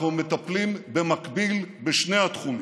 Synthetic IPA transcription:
vemet̪aplimbemakbilbeʃne̞jhat̪χun

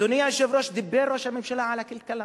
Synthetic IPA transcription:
unɪjaʃevɾoʃd̪ɪbːeɾˤːoʃamemʃalaʕalakɪlt̪kala

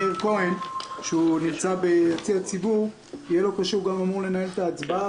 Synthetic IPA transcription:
eʁkoenʃeunimt͡sabe̞jat͡siat͡sibuʁ | ijelo̞kaʃeuɡamamuʁle̞nahe̞let̪aːt͡sba

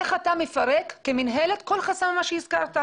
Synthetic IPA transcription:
eχatamefaʁekːeminɦeletko̞lχasammaʃehizkaʁt̪a

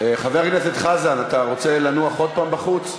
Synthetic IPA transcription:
eχaveʁkneset̪χazanat̪aʁo̞t͡se̞lanuaχo̞d̪̚paːmbaχut͡s

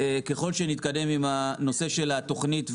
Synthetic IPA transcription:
ke̞χo̞lʃenit̪kad̪e̞mimano̞se̞ʃe̞lat̪o̞χnit̪

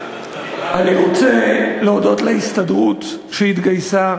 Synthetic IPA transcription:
ʔaniʁo̞t͡se̞leodo̞t̪leist̪adʁut̪ | ʃehit̪ɡajsa

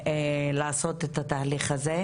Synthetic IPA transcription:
elaːso̞t̪et̪at̪aːliχaze

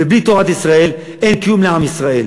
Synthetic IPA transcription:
eblit̪oʁat̪isʁae̞l | e̞nkjumleamisʁae̞l

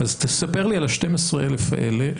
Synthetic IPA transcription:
azt̪esape̞ʁlialʃtemesʁeelefa̰ʔḛle

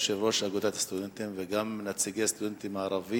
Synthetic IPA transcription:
ʃeɾɾoʃaɡod̪at̪ḁst̪ud̪ent̪imveɡamːnat͡siɡest̪ud̪ɛnt̪imaʕɾˤɑvi

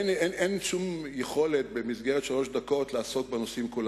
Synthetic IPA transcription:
nenenʃumjeχo̞let̪̚be̞mizɡeʁet̪ʃalo̞ʃd̪ako̞tlaːso̞tbeno̞simkul

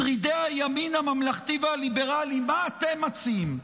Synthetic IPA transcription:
ʁid̪eajaminamamlaχt̪ivalibeʁalimaːt̪emat͡sim

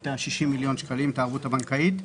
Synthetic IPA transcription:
taʃiʃimːiljo̞nʃkalimtaːʁvuthabaŋkait

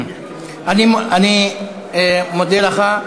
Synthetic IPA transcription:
aniani | mod̪elaχa

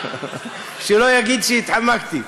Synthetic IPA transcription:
ʃilojaɡit̪̚t͡ʃʰit̪ʰamːakʰt̪i

